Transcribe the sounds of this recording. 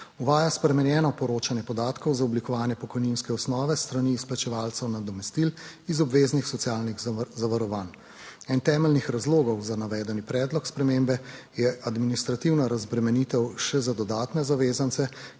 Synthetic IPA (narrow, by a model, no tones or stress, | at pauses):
uʋaːjaspɾɛmɛnjɛːnɔpɔɾoːt͡ʃanjɛpɔd̪aːt̪kɔwzaɔblikɔʋaːnjɛpɔkɔjninskɛɔsnɔːʋɛst̪ɾaniːsplat͡ʃɛʋaːlsɛwnad̪ɔmɛst̪ilizɔbʋeːznixsɔt̪siaːlniɣzaʋaɾɔʋaːn | ɛnt̪ɛːmɛlnixɾazloːɡɔwzanaʋɛːd̪ɛnipɾɛːd̪lɔkspɾɛmembɛjɛʔad̪minist̪ɾat̪iwnaɾazbɾɛmɛnit̪ɛwʃɛzad̪ɔd̪aːt̪nɛzaʋeːzant̪sɛ